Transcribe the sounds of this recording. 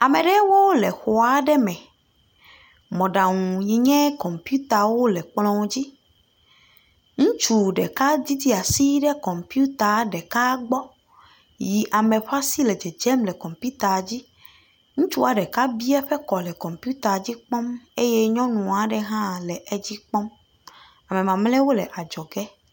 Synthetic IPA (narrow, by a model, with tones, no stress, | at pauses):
a˨me˨ɖɛ˦wo˦lɛ˨xo˨a˨ɖɛ˦mɛ̃˨ | mɔ̃˨ɖa˨ŋũ˨ɲĩ˨ɲɛ̃˦kɔ˨mpju˦t̪a˨wo˦lɛ˨k͡plɔ̃˦d͡ʑi˦ | ŋũ˦t͡ʃu˨ɖɛ˨ka˦d̪i˦d̪i˦a˨si˦ɖɛ˦kɔ˨mpi˦u˦t̪a˨˦ɖɛ˨ka˦ɡ͡bɔ˦ | ji˨ʔa˨mẽ˨ɸa˦si˦lɛ˨d͡ʒɛ˨d͡ʒɛ˦mlɛ˨kɔ˨mpu˦t̪a˨d͡ʑi˦ | ŋũ˦t͡ʃu˦a˨ɖɛ˨ka˦bi˦ɛ˦ɸɛ˦kɔ˨lɛ˨kɔ˨mpu˦t̪a˨d͡ʑi˦k͡pɔ˦me˦je˦ɲɔ̃˦nũ˨a˨ɖɛ˦ɦã˦lɛ˨ʔɛ˦d͡ʑi˦k͡pɔ˦m | a˨mɛ̃˨mã˨mlɛ̃˦wo˦lɛ˨ʔa˨d͡ʒɔ˨ɡɛ˦